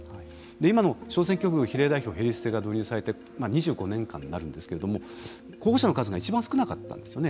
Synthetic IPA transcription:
hai | d̪e̞imano̞ɕo̞ːs̬ẽ̞ŋkʲo̞kɯ̟çiɾe̞ːd̪aiçʲo̞ːɦe̞ɾʲisɨ̥se̞ːɡad̪oːɲ̟ɨːsaɾe̞t̪e̞ | maɲ̟iʑɨːɡo̞nẽ̞ŋkã̰nːaɾɯ̟̃nd̪esɨ̥ke̞ɾe̞d̪o̞mo̞ | ko̞ːɡoɕanokazɨɡait͡ɕibãsɨ̥kɯ̟nakat̪ːã̰nd̪e̞sɨjo̞ne

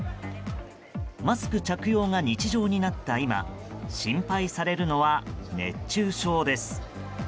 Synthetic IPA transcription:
masɨ̥kɯ̟t͡ɕakɯ̟jo̞ːŋaɲ̟it͡ɕiʑo̞ːɲ̟inat̪ːaima̰ɕĩmpaisaɾe̞ɾɯ̟no̞βane̞̰t͡ɕːɨːɕo̞ːd̪e̞sɨ̥

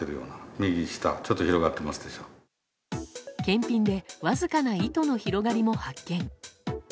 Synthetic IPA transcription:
eɾɯjo̞̰ːnamʲiɡʲiɕi̥t̪a̰t͡ɕo̞t̪ːoçiɾo̞ɡat̪ːe̞masɨd̪e̞ɕo̞ː | kẽ̞mpʲĩnd̪e̞βazɨkanait̪o̞no̞çiɾo̞ɡaɾʲimo̞hakːẽ̞ŋ

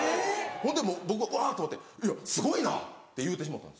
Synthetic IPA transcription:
hõ̞nd̪emoːbo̞k̬ɯ̟βaɯaːt̪omot̪ːeiasɨɡo̞ina̰t̪ːe̞jɯ̟ːt̪e̞ɕ̬imat̪ːã̰nd̪s

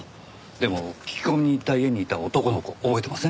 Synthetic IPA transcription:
d̪e̞mo̞̥kʲi̥ko̞mʲiɲ̟iːt̪ːaie̞ɲ̟iːt̪aot̪o̞ko̞noko̞obo̞e̞t̪emasɨ

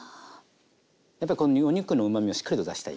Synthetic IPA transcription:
japːaɾʲikonoɲoɲ̟ɨkːɯnoɯ̟mamʲioɕi̥kːaɾit̪od̪a̰ɕi̥t̪a̰ḭ

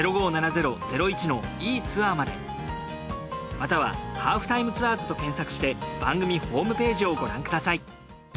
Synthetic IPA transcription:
eɾo̞ɡo̞ːnanaze̞ɾo̞ze̞ɾo̞it͡ɕino̞iːt͡sɨaːmad̪e̞̰ | mat̪aβa̰haːɸɯ̟t̪aimɯ̟t͡sɨaːzɨ̥t̪o̞kẽ̞ɰ̃sakɯ̟ɕi̥t̪e̞b̥ãŋɡɯ̟mʲiɸo̞ːmɯ̟pe̞ːʑio̞ɡo̞ɾãŋkɯ̟d̪asai

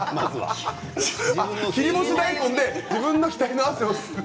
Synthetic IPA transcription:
maza̰ | açʲiɾʲimoɕid̪aikõnd̪e̞d͡ʑibɯ̟̃nːo̞çʲi̥t̪aɾinoaseos

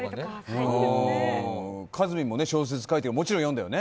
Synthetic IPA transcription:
e | kʰazɨmʲĩmːo̞ne̞ɕo̞ːs̬e̞t͡sɨ̥kait̪eɡamo̞t͡ɕiɾõjond̪ajone

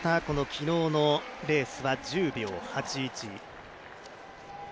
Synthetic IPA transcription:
t̪ako̞no̞kʲino̞ːno̞ɾe̞ːsɨβad͡ʑɨːbʲjo̞ːhat͡ɕiːt͡ɕi

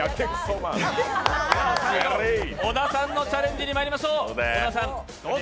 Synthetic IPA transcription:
at̪ẽksoma | ɾionasãnːot͡ɕaɾẽɲd̪iɲʲimaɾʲimaɕoːonasã

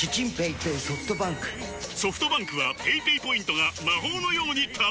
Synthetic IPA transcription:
kʲit͡ɕĩmpeit̪eso̞ɸɯ̥t̪o̞bãŋkɯ̟̥so̞ɸɯ̥t̪o̞bãŋkɯ̟βape̞ipeipo̞ĩnt̪oɡamaɦo̞ːno̞jo̞ːɲ̟it̪ʰa

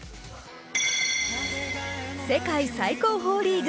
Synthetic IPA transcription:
sekajsajkoɦoɽiːd͡ʒ

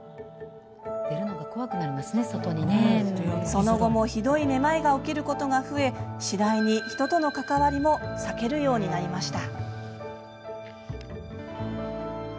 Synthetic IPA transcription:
d̪̥e̞ɾɯ̟noɡako̞βakɯ̟naɾʲimasɨne̞so̞t̪o̞ɲ̟ineso̞no̞ɡo̞mo̞çid̪o̞ine̞maeɡao̞kʲiɾɯ̟ko̞t̪o̞ɡaɸɯ̟e̞ɕid̪aiɲ̟içi̥t̪o̞t̪o̞no̞kat̪aβaɾʲimo̞sake̞ɾɯ̟jo̞ːɲ̟inaɾʲimaɕi̥t̪a

